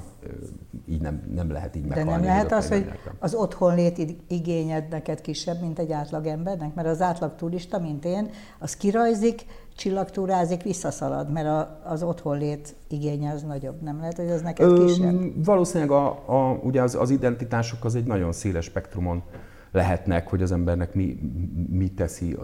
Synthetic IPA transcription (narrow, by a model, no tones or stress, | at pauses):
ḭːɟnɛ̰mnɛmlɛ̰ɦɛ̰t̪iːɟmɛd̪ɛnɛnmlɛɦɛtt̪ɒshooɟ̪ɛ̰ɛ̰ɒzo̞t̪ho̞nleːt̪iɡeːɲɛd̪nɛkɛt̪kiʃːɛbmint̪ɛɟːaːt̪lɒɡɛmbɛrnɛkmɛɾɒzaːt̪lɒkt̪uliʃt̪ɒmint̪eːn | ɒskiɾɒjzik | t͡ʃilːɒkt̪uːɾaːzikʋisːɒsɒlɒ̰d̪mɛɾɒː | zo̞t̪ho̞nleːt̪ | iɡeːɲɛɒznɒɟo̞bnɛmlɛɦɛt̪ho̞ɟɛznɛkɛøiɛvɒloːsinlɛɡɒuɟɛɒzɒ̰zid̪ɛnt̪it̪aːʃo̞kɒzɛɟnɒɟo̞nseːlɛʃpɛkt̪rumo̞n | lɛɦɛt̪nɛkhoɟɒzɛmbɛrnɛkmimit̪ːɛsḭ